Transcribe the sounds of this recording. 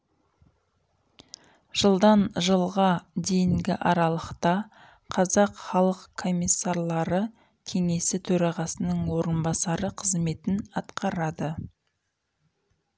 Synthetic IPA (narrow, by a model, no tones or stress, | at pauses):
ʒ̥əlˠd̪ɑnʒəlˠʁɑd̪e̞jɪŋɡʲɪ̰ʔɑɾɑlˠəqt̪ɑ | qʰɑzɑqχɑlˠəqkʰo̞mʲijsːaɾlˠɑɾə | kʲʰe̞ŋe̞sɪt̪ʰɵɾɑʁɑsənəɴwo̞ɾənbɑsɑɾəqʰəzme̞t̪ɪnɑt̪qʰɑɾɑd̪ə